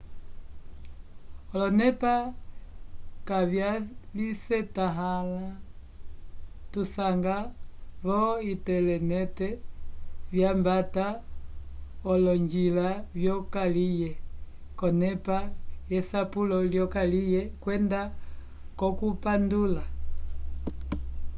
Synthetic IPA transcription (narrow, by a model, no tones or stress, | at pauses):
ɔlɔnɛpa | kavjalisɛtaɦala | tusaŋɡaβɔitɛlɛnɛtɛ | vjambata | ɔlɔɲd͡ʒilavjɔkalijɛkɔnɛpajɛsapulɔljɔkalijɛkwɛnda | kɔkupandula